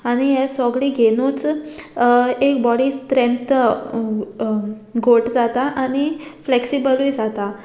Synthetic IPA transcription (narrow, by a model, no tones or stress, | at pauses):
aɽ̃ijɛsɔɡɭiːɡʱeñuːt͡s | ekbɔɽiːst̪ɾẽnt̪ | ɡʱoʈd͡zat̪aʔanifleksibəlujd͡zat̪a